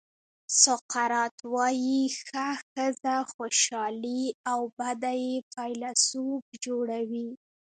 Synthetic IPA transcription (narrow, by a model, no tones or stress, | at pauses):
sʊqaɾɑt̪wɑjixaxəzaxoʃɑliawbad̪ajepʰɑjlasub̚d͡ʒoɽawi